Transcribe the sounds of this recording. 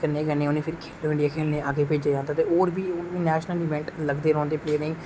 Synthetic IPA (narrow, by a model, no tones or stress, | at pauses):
kəɾneːɡəneːʊnẽːpʰɪɾkʰeːloːɪ̃ɳɖijaːkʰeːlnẽːaːɡeːpeːd͡ʒeːd͡ʒãːnd̪aːt̪eːoːɾbiːʊnʋiːnɛːʃnəliːʋɛ̃ːɳʈləɡd̪eːɾɔ̃ːnd̪eːpleːɾɪ̃ŋ